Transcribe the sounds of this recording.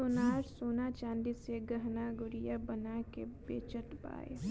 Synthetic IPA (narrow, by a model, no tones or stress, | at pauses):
ʊnaːɾsoːnat͡ʃãːnd̪iseɡəɦnaɡʊɾijabɐnakebeːt͡ʃət̪ba̰ːḛ